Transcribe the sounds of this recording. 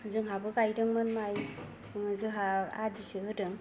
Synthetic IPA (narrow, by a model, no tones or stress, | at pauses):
zɯŋɦabɯɡajdɯŋmanmaj | ŋɯzɯɦaa̰disɯɦɯdɯŋ